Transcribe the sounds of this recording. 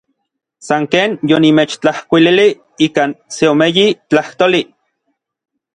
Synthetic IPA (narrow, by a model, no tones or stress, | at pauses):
saŋkeːnjonimet͡ʃt͡ɬahkʷilili | iːkanseomejit͡ɬaht̪oli